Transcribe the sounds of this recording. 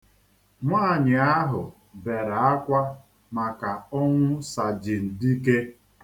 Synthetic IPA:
ŋʷaː˦˨ɲɪ˨a˦ɦʊ̰˨ | be˨ɾa˨a˦kʷa˦ | ma˨ka˨ɔ˦ŋʷʊ˦sa˨d͡ʒɪ˨n̩˨di˦ke˦

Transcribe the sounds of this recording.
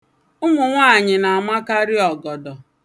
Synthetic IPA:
ʊ˦ŋʷʊ˨ŋʷa˦˨ɲɪ˨na˨a˨ma˦ka˦ɾɪ˦ɔ˨ɡɔ˨dɔ˨

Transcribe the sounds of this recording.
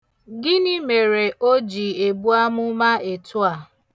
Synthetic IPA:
ɡɪ˦nɪ˦me˨ɾe˨ʔo˦d͡ʒi˨e˨bu˦a˦mʊ˦ma˦e˨tʊ˦a˨

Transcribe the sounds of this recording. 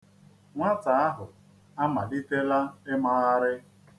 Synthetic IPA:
ŋʷa˦ta˨a˦ɦʊ˨ | a˦ma˨di˦te˦la˦ɪ˦ma˦ɣa˦ɾɪ˦

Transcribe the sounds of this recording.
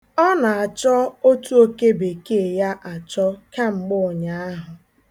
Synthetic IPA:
ɔ˦na˨a˨t͡ʃɔ˦o˦tu˦o˦ke˦be˨ke˦˨ja˦ʔa˨t͡ʃɔ˦ka˦ŋ͡m̩˨ɡ͡bʊ˦˨ɲa˦a˦ɦʊ˨

